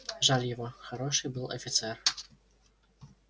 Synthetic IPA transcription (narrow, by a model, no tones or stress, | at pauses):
ʐalʲjavɔxaɾɔʂɨbɨlˠɐfʲit̪sɛr